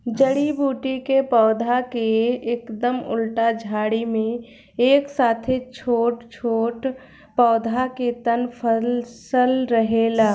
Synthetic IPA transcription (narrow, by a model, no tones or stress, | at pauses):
d͡ʒəɽibuːʈikepɔːd̪ʱakeekd̪əmʊ̰lʈad͡ʒʱaːɽimẽ | eːksaːt̪ʰet͡ʃʰoːʈt͡ʃʰoːʈ | pɔːd̪ʱaket̪ənpʰəlsəlɾəɦelaː